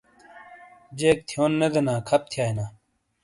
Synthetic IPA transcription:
d͡ʑeːk̚t̪ʰijoːnːed̪enaːkʰɐp̚t̪ʰjaːinaː

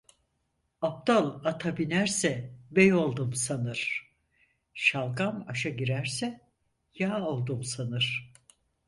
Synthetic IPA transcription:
ap̚t̪alˠat̪ʰabinæɾsɛbɛjo̞lˠd̪umsanɯɾ̥ | ʃalˠɡamaʃaɟiɾæɾsɛ | jaːolˠd̪umsanɯɾ̥

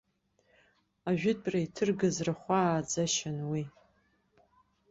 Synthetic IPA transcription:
aʒᶣʊd̚bʼraitʰɨrɡazraχʷad͡zaʃanwi

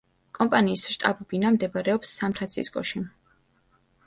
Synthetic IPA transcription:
kʼɔmpʼaniːsʃt̪ʼabubinamd̪ɛbaɾɛɔpsːanpʰɾant̪sʰḭskʼɔʃi

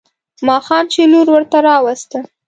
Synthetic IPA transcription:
mɑxɑmt͡ʃeluɾwəɾt̪aɾɑwast̪ə

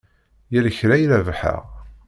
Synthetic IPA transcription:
jæləçɾæjlævħə̰ʁ

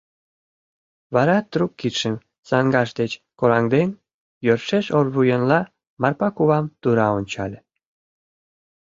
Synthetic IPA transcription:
βɑɾɑt̪rukkːit̪ʃəm | sɑŋɡɑʃd̪et͡ɕkoɾɑŋd̪en | jørʃeʃorβujənlɑ | mɑrpɑkuβɑmt̪uɾɑonʲt͡ɕɑlʲe

